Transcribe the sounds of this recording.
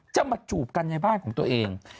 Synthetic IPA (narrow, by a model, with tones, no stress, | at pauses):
t͡ɕa˧˩maː˧t͡ɕuː˨˩p̚ka˧nɲa˧jbaː˥˩nkʰɔː˩˦ŋt̪u˧ɐʔeː˧ŋ